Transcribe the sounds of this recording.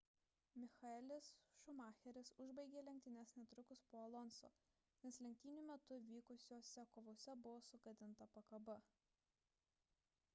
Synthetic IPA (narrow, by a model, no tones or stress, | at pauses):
mʲɪxɐɛlʲɪsʃʊmɑːxʲɛɾʲɪsʊʒbɐɪɡʲeːlʲɛŋʲk̚ʲt̪ʲɪnʲɛsnʲɛt̪ɾʊkʊspoːɐlˠɔnso̰ː | nʲɛslʲɛŋʲkt̪ʲiːnʲʊmʲɛt̪ʊʋʲiːkʊsʲoːsʲɛkoːʋoːsʲɛbʊʋoːsʊɡɐd̪ʲɪnt̪ɐpɐkɐbɐ